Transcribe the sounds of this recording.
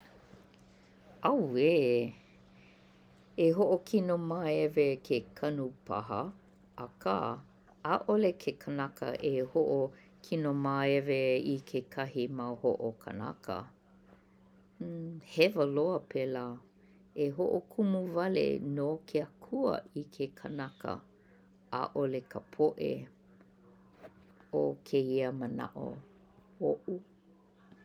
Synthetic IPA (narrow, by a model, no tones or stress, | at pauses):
ɐweː | eɦoʔokʰinomaɛvekʰekʰɐnupʰɐ̰ɦɐ | ɐkʰa̰ | aʔolekʰekʰənɐkʰə̰ʔehoʔo | kʰinomaːɛveikʰekʰɐhimɐhoʔokʰə̰nɐ̰kʰə̰ | hɛvəloəpʰelaː | eɦoʔokʰumuvɐlḛnokʰeakʰuə̰ikʰekʰənɐkə̰ | a̰ʔolekʰəpʰoʔḛ | okʰeiəməna̰ʔo̰ | oʔu